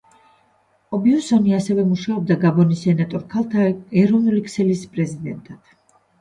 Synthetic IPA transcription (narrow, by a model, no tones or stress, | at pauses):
ɔbiɔsɔniasɛvɛmuʃaɔb̚d̪aɡabɔnisɛnat̪ʼɔɾkʰalˠt̪ʰaɛɾɔvnulikʰsɛlispʼɾɛzid̪ɛnt̪ʼat̪